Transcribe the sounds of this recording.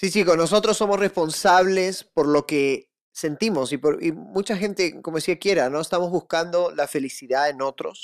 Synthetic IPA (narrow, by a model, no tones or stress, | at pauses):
sisikonːos̬o̞t̪ɾosːo̞mo̞sre̞spo̞nsaβ̞le̞spo̞ɾlo̞ke | se̞nt̪imo̞sipoɾḭmut͡ʃaxe̞nt̪e̞komoðesiakje̞ɾano̞est̪amo̞zβuskand̪o̞lafe̞lisiðaeno̞t̪ɾo̰s